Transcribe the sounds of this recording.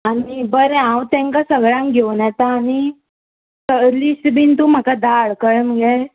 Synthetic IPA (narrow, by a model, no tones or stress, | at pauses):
anibəɾɛãwt̪ɛ̃ŋkasəɡɭãŋɡʱewnɛt̪aːni | səɾlisbʱint̪um̤akad̪aɭkəɭməɡɛ